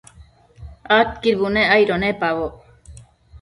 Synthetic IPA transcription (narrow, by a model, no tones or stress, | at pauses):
at̪̚kiɾbuneajɾonepaβo